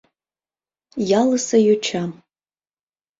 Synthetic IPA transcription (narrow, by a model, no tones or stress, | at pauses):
jalɨsɐjʊt͡ʃʰam